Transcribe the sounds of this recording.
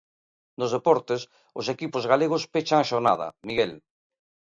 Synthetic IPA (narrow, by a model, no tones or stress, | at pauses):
nozðepɔɾt̪es | ʊsekipozɣaleɣ̞ʊspet͡ʃaŋʃona̰ð̞ɐ̰miɣɛl